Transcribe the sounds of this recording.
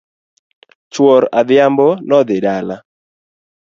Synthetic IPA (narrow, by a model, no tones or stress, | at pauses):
t͡ʃwɔɾad̪ɪambɔnɔd̪ɪɗala